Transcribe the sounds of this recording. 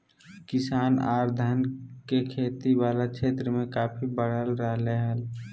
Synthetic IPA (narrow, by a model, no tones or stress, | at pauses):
kɪsaːna̰ːɾd̪ʱənkekʰeːt̪iwaːlakʰeːt̪ɾəmẽkaːpʰibəɽ̤əlɾəɦleɦəl